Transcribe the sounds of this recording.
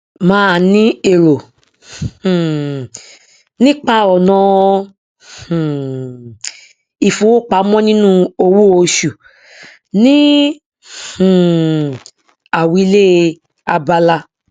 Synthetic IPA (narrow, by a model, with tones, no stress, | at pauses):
mãː˦a˨nĩ˦e˨ɾo˨ | nĩ˦k͡pa˦˨ɔ˨nɔ̃˧˨ | i˨fũ˨˦wo˦k͡pa˧˦mɔ̃˦nĩ˦nũ˦o˧wu˦o˧ʃu˨ | nĩ˨˦˨ | a˨wi˧˦le˦˧ | a˧ba˧la˧